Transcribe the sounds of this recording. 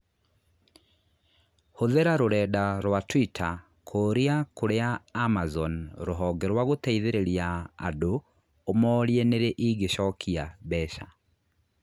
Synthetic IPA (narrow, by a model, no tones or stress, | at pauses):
hoðeɾaɾoɾɛːdaɾwatwitʰa | kʰoːɾiakʰoɾeaːmazɔnɾoɦɔːɡɛɾwaɣotɛiðeɾeɾia̰ːdoː | mɔːɾieneɾeʔiɡeʃɔkʰiabɛʃa̰